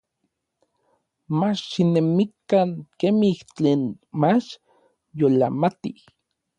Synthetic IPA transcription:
mat͡ʃʃinemikːaŋkemiht͡ɬeːnmat͡ʃ | jola̰mat̪ih

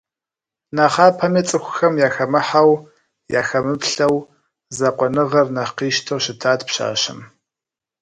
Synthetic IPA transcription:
naːχaːpʰɐmiːt͡sʼɨxʷʊxɐmjaːxɐmɨħaw | ja̰ːxɐmɨpɬɐw | zɐqʷʼɔnɨʁɐrnɐqiːʃtʰɐwʃɪtʰaːdpɕa̰ːɕɪ̰m

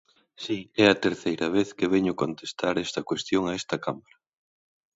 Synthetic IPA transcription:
siɛɐt̪eɾθejɾɐβ̞eθkeβɛɲʊkont̪est̪aɾɛst̪ɐkwest̪joŋɐɛst̪ɐkamaɾɐ

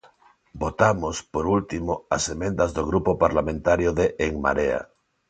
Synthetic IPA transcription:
bot̪amospoɾult̪imoasemẽnd̪azðoɣɾupopaɾlamẽnt̪aɾjoðeʔːŋma̰ɾea̰

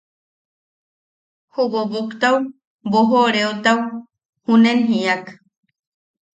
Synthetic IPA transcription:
huβobukt̪aw | boɦoɾeot̪aw | hunenɦiak

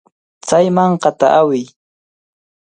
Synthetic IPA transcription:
t͡sajmɑɴqɑt̪aʔawɪj

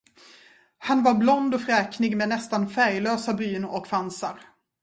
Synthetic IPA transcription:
hanvaɾblɔnd̪ɔfɾɛːknɪɡmɛnɛst̪anfæɾjløːsabyːnɔkfansaɾ

